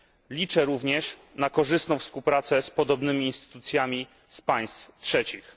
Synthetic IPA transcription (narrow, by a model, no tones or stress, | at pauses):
lʲit͡ʂɛɾuvɲɛʂ | nakɔʐɘst̪nɔ̃w̃fspuwpɾat̪sɛspɔd̪ɔbnɘmʲiːnst̪ɘ̥t̪ut̪sʲjamʲi | spaj̃st̪ftʂɛt͡ɕix